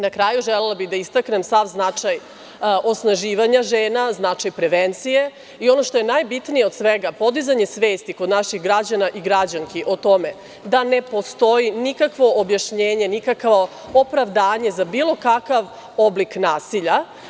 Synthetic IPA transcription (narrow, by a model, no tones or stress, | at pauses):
nakɾaːjuʒelelabid̪aist̪akne̞msaʋznat͡ʂaj | ʔo̞snaʒiːʋaɲaʒeːnaznat͡ʂajpɾeʋent̪sije̞ | io̞no̞ʃt̪o̞jenajbit̪nijeod̪sʋeɡapo̞d̪izaɲe̞sʋeːst̪iko̞d̪naʃiɣɡɾad͡ʑanaʔiɡɾad͡ʑaŋkiʔot̪o̞me̞ | d̪ane̞po̞st̪o̞jinikakʋo̞objaʃɲeːɲe̞nikakʋo̞ | opɾaʋd̪aːɲe̞zabiːlˠo̞kakaʋ | obliknaːsiʎa